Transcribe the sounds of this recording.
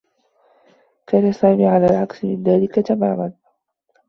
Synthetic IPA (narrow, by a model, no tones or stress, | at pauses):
kaːnasaːmiːʕalaːlʕaksɪmɪnðaːlɪkat̪amaːman